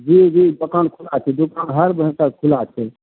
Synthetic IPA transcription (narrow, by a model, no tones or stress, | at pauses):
d͡ʒid͡ʒibəkankʰulat͡ʃʰɛd̪ukanɦəɾbəɦĩkakʰulat͡ʃʰe